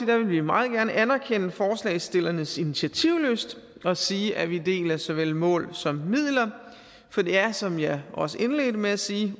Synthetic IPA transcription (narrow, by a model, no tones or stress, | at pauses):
id̥æʋe̝lʋimɑ̈ːð̞̩ˠɡ̥æɐnəʔænæɐkʰenəfɒːslɛ̰ːsd̥e̝lɐnəsinit͡sʰiæt͡sʰiʊ̰løsd̥ | ɒ̽siːʔæʋid̥e̝̰ːlɐsɒ̽ʋel̰mɔ̰̽ːlsɒ̽mːið̰ˠlɐ | fɒ̽d̥e̝æɐsɒ̽mjɑ̈ʔɒ̽səe̝nle̝̰ːd̥əmeæsiː